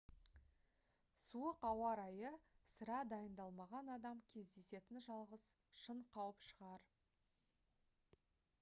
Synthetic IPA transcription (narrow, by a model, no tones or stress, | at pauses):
suəqɑwɑɾɑjəsəɾɑd̪ɑjənd̪ɑlˠmɑʁɑnɑd̪ɑmkʲʰe̞zd̪e̞se̞t̪ɪnʒɑlˠʁəz | ʃəɴqʰɑwəpʃəʁɑɾ